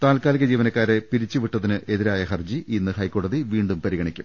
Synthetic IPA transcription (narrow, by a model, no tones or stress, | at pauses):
t̪aːlkaːliɣɐd͡ʑiːʋɐnɐkːaːɾe̞piɾit͡ɕːɨʋiʈːɐðinɨʔe̞ðiɾaːjɐɦɐrd͡ʑiʔinːɨhɐjko̞ːɽɐðiʋiːɳɖumpɐɾiɣɐɳikʲːum